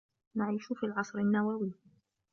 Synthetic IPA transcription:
naʕiːʃʊfiːlʕɑsˤɾanːawawiː

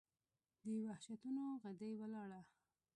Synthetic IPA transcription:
d̪əwahʃat̪unoɣad̪əjwəlɑɽa

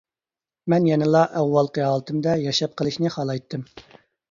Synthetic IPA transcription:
mɛnjɛnɨlˠɑʔɛwːɑlˠqəɑːlˠt̪ʰɨmd̪ɛjɑʃɑp̚qəlˠɨʃnɨχɑlˠɑjt̪ʰːɨm

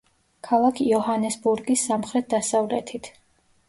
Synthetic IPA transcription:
kʰalˠakʰiɔhanɛsbuɾɡisːamχɾɛt̪̚d̪asavlɛt̪ʰit̪ʰ

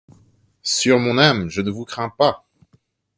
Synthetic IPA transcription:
syʁmɔ̃namʒənəvukχɛ̃pa

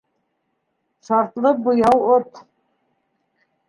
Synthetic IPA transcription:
ʃɑɾt̪lˠɤqbŏjɑwot̪

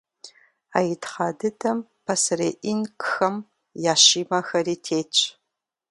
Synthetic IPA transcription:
aːjɪtχɑːdɨdʰɐmpʰɐsɨreːʔinkxɐm | jaːɕiːmɐxɐɾiːtʰeːt͡ʃʼ

